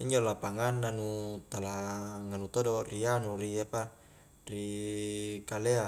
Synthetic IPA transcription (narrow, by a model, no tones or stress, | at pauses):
iɲd͡ʒolapaŋanːanut̪alaŋanut̪odorianuriapa | ri | kalea